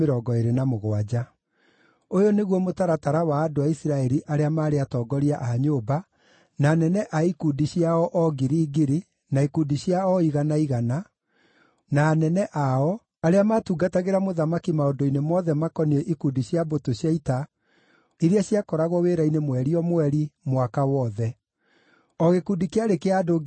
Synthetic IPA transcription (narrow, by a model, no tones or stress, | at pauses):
eɾɔːɡɔeɾenamoɣwad͡ʒa | ojoneɣwɔmotaɾataɾawaːdoaisiɾaɛɾiʔaɾeamaːɾeatɔːɡɔɾiaʔaɲoba | naːnɛnɛʔaikudiɕjaɔʔɔɡiɾiːɡiɾi | naikudiɕjaɔiɣanaiɣana | naːnɛnɛʔaɔ | aɾeamaːtuɡataɣeɾamoðamakimaondoinemɔðɛmakɔnieʔikudiɕjabotoɕjaita | iɾiaɕjakɔɾaɣɔweːɾainemwɛɾiɔmwɛɾimwakawɔðɛ | ɔɣekundikeaɾekeado